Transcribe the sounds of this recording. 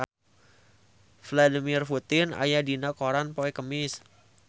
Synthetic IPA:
fladimirfut̪ɪna̰jadinakoɾanpoɛkəmɪs

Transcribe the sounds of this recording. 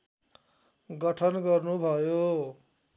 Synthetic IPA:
ɡʌʈʰʌnɡʌrnubʱʌjo

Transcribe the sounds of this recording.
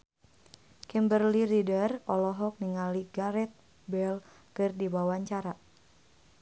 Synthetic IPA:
kɛmbərliridərɔlɔɦɔk̚niŋaliɡaɾɛt̪̚ | bɛl | kɨrdiwawaɲt͡ʃaɾa

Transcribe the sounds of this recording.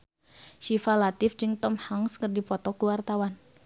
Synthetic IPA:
ʃifalat̪ɪfd͡ʒɨŋt̪ɔmhaŋskərdipɔt̪ɔkəwart̪awan

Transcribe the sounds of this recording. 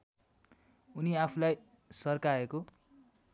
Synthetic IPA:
uniapʰulaj | sʌrkaeko

